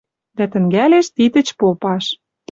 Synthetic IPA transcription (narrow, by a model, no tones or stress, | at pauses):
d̪æt̪ə̆ŋɡæleʃt̪it̪ə̆t͡ɕpopɑʃ